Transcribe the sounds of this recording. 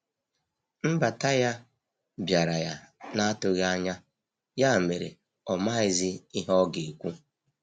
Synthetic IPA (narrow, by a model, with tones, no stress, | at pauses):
m̩˦ba˨ta˦ja˦ | bja˨ɾa˨ja˦na˦tʊ˦ɣa˦ɲa˦ | ja˦˨me˨ɾḛ˨ | ɔ˨ma˦ɪ˦zɪ˦i˦ɦɔ˦ɡe˨kʷu˦